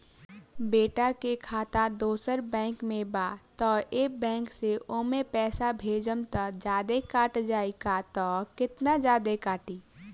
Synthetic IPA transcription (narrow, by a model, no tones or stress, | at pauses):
beːʈakekʰaːt̪ad̪oːsəɾbɛ̃ːŋkmẽbaːt̪ɔːeːk̚bɛ̃ːŋkseʔoːmẽpɛːsabʱeːd͡ʒəmt̪əd͡ʒjaːd̪ekaːʈd͡ʒaːikat̪ɔːkɪt̪nad͡ʒjaːd̪ekaːʈiː